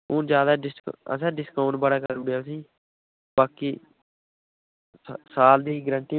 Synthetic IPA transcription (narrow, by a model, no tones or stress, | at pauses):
ʊ̃ːd͡ʒjaːd̪aːɖɪskə̰sɛ̃ːɖɪskaːʊɳʈbəɽaːkəɾʊɽjaːsiː | baːkiː | saːld̪iːɡəɾə̃ɳʈ̪iː